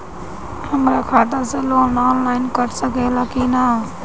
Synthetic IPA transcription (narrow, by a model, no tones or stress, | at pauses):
həmɾaːkʰaːt̪aːseːloːnːaːnlaːɪnkəɾsəkeːlaːkiːnaː